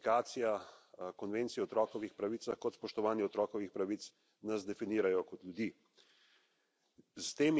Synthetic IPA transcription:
kaːt̪sijakɔnʋeːnt̪siɛɔt̪ɾɔːkɔʋixpɾaʋiːt̪saxkɔt̪spɔʃt̪ɔʋaːnjiɔt̪ɾɔːkɔʋixpɾaʋit̪s | nazd̪ɛfiniːɾajɔkɔt̪ljud̪iː | st̪eːm

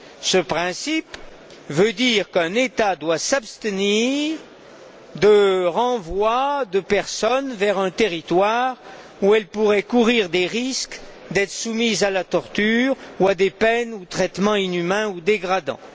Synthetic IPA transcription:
səpχɛ̃sip | vød̪iʁkɛ̃net̪ad̪wasabst̪əniʁ | d̪əʁɑ̃vwad̪əpɛʁsɔnvɛʁɛ̃t̪eʁit̪waʁ | uɛlpuʁɛkuʁiʁd̪eʁisk | d̪ɛt̪χə̥sumizalat̪ɔʁt̪yːʁuad̪epɛnut̪χɛt̪mɑ̃inymɛ̃ud̪eɡʁad̪ɑ̰̃

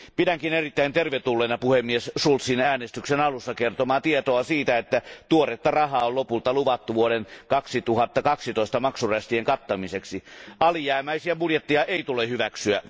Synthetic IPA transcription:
pidæŋkinerit̪ːæint̪erʋet̪ulːenɑpuhemːiessult̪sinæːnest̪yksenɑlusːɑkert̪omɑːt̪iet̪oɑsiːt̪æet̪ːæt̪uoret̪ːɑrɑhɑːollopult̪ɑluʋɑt̪ːuʋuoɾenkɑksit̪uhɑt̪ːɑkɑksit̪oˑist̪ɑmɑksuræst̪ieŋkɑt̪ːɑmiseksiɑlijæːmæisiæbuljet̪ːiɑʔeit̪ulehyʋæksyæ

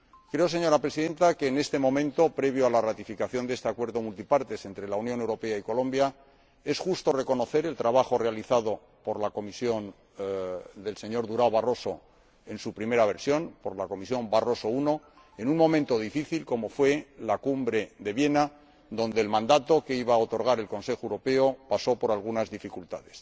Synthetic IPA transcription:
kɾe̞o̞s̬e̞ɲo̞ɾapɾesiðẽ̞nt̪akeːne̞st̪e̞mõ̞mẽ̞nt̪o̞pɾe̞βjoalarat̪ifikaθjo̞nd̪eest̪eakwe̞ɾðo̞mult̪ipaɾt̪e̞se̞nt̪ɾe̞launjone̞wɾo̞pe̞aiko̞lõ̞mbja | e̞sxust̪o̞re̞ko̞no̞θe̞ɾelt̪ɾaβ̞axo̞realiθaðo | po̞ɾlako̞misjo̞n | d̪e̞lse̞ɲo̞ɾðuɾaoβaro̞so̞ | e̞nsupɾime̞ɾaβ̞e̞ɾsjo̞npo̞ɾlako̞misjo̞mbaro̞so̞uno̞ | e̞nuŋmo̞mẽ̞nt̪o̞ðifiθilko̞mo̞fwe̞lakumbɾe̞ðe̞βje̞na | ðo̞nd̪e̞ːlmãnd̪at̪o̞ke̞iβaːot̪o̞ɾɣaɾe̞lko̞nse̞xoewɾo̞pe̞opaso̞po̞ɾalɣunazðifikult̪a̰ðe̞s

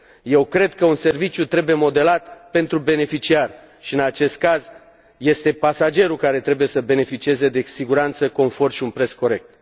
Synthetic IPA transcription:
je̞wkɾe̞d̪kəunse̞rvit͡ʃjut̪ɾe̞buje̞mo̞d̪e̞lat̪pe̞nt̪ɾube̞ne̞fit͡ʃiar | ʃiɨnat͡ʃe̞st̪̚kaz | je̞st̪e̞pasad͡ʒe̞ɾulkaɾe̞t̪ɾe̞buje̞səbe̞ne̞fit͡ʃie̞ze̞d̪e̞siɡuɾant̪səko̞nfo̞rʃiunpɾe̞sko̞ɾe̞k̚t̪

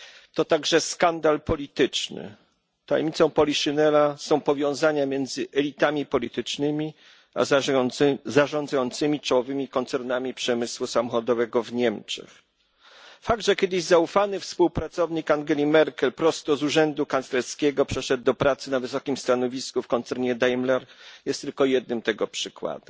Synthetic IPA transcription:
t̪ɔt̪aɡʐɛskand̪alpɔlʲit̪ɘt͡ʂnɘ̰ | t̪a̰jmʲit̪sɔ̃w̃pɔlʲiʂɨnɛɾasɔ̃w̃pɔvʲjɔ̃w̃zaɲamʲjɛnd̪zɘʔɛlʲit̪amʲipɔlʲit̪ɘt͡ʂnɘmʲi | a̰ | zaʐɔ̃nd̪zajɔnt̪sɘmʲit͡ʂɔwɔvɘmʲikɔnt̪sɛɾnamʲipʂɛmɘswusamɔxɔd̪ɔvɛɡɔvɲɛmt͡ʂɛ̰x | faɡ̚d̪ʐɛkʲɛd̪ɘʑzaufanɘfspuwpɾat̪sɔvɲikaŋɡʲɛlʲimɛɾkɛlpɾɔst̪ɔzuʐɛnd̪ukanslɛlskʲɛɡɔpʂɛʂɛd̪̚ːɔpɾat̪sɘnavɘsɔkʲimst̪anɔvʲiskufkɔnt̪sɛɾɲɛd̪ajmlɛɾjɛst̪ːɘlkɔjɛd̪̚nɘmt̪ɛɡɔpʂɘkwa̰d̪ɛm

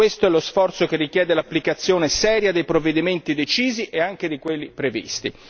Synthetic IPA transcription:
west̪oɛlosfɔrt̪sokerːikjɛːd̪elapːlikat̪sːjoːnesɛːɾjad̪ejpɾovːed̪iment̪id̪et͡ʃiːziʔeaŋked̪ikwelːipɾevḭst̪ḭ

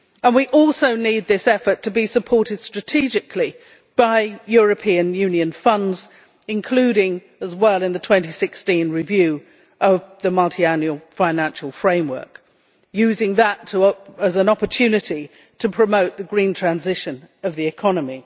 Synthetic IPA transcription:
ə̃nwiʔɔlˠsoʊnid̪̚ðɪsɛfə˞tʰɨbisəpʰɔɹɾɨd̥stɹ̥ɨtʰid͡ʒɨkʰli | b̥aɪjʊɹɨpʰĩɨ̃njʉ̃njɨ̃nfʌ̃ndz | ɨ̃nkʰl̥ʉɾɪ̃ŋ | əzwɛlˠɨ̃nðɨtʰw̥ɛ̃ntisɪkstĩnɹɪvjʉ | ʔʌvðɨmʌlˠtʰiæ̃njʉəl̩ˠfãɪ̃næ̃nʃl̩ˠfɹẽɪ̃mwɜ̰˞k | jʉzɪ̃ŋðətʰəəzə̃nɑpə˞tʰʉnɨɾi | tʰɨpʰɹ̥ɨmoʊt̪̚ðɨɡɹĩntʰɹ̥æ̃nzɪʃɨ̃nʌvðiɨkʰɑnəmi

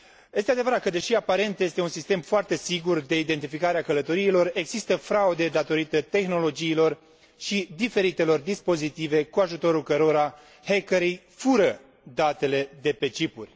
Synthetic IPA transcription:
jest̪ead̪e̞vəɾat̪kəd̪e̞ʃiapaɾe̞nt̪je̞st̪eunsist̪e̞mfoart̪e̞siɡurd̪e̞id̪e̞nt̪ifikaɾeakələt̪o̞ɾiːlo̞re̞ɡzist̪əfɾaud̪e̞d̪at̪o̞ɾit̪ət̪e̞xno̞lo̞d͡ʒiːlo̞r | ʃid̪ife̞ɾit̪e̞lo̞rd̪ispo̞zit̪ive̞kuaʒut̪o̞ɾulkəɾo̞ɾa | hekəɾej | fuɾə | d̪at̪e̞le̞d̪e̞pe̞t͡ʃipṵrʲ

